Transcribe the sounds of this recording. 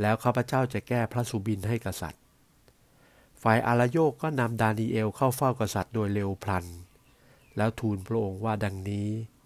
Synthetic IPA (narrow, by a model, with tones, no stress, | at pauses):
lɛː˦˥wkʰaː˥˩pʰːa˧t͡ɕaː˥˩wt͡ɕa˨˩ʔkɛː˥˩pʰɾa˦˥su˧˦bi˧nɦa˥˩jka˧sa̰˨˩t̪̚ | faː˨˩jʔaː˧laː˧˥joː˥˩kːɔː˥˩na˧mdaː˧niː˧ʔeː˧wkʰa˥˩wfa˥˩wka˧sa˨˩t̪̚doː˧jleː˧wpʰla˧n | lɛː˦˥wt̪ʰuː˧npʰɾa˧˥ʔo˧ŋwaː˥˩da˧ŋniː˦˥